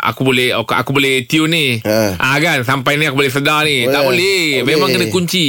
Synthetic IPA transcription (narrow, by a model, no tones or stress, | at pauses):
a̰kubolɛhoka̰kubolɛht̪iuniʔakansampajniakubolɛs̬ədanit̪aʔbolɛmemaŋkənəkuɲt͡ʃi